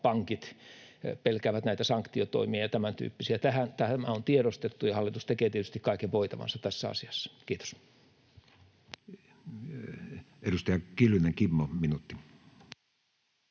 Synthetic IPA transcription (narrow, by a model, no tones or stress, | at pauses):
pɑŋkit̪ | pelkæːʋæt̪næit̪æsɑŋkt̪iot̪o̰imiɑɑt̪æmænt̪y̰ːpːisiæt̪æhænt̪æhmæont̪ieɾost̪et̪ːujɑhɑlːˑit̪ust̪ekeːt̪iet̪yst̪ikkɑikeʋʋoit̪ɑʋɑ̰nsɑtt̪æsːæɑ̰siɑsːɑ̥kiːt̪o̥s | edust̪ɑjɑkilyneŋkimːominut̪ːi